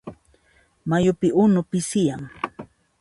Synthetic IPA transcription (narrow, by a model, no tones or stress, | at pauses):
majʊpɪʔʊnʊpɪsɪjaŋ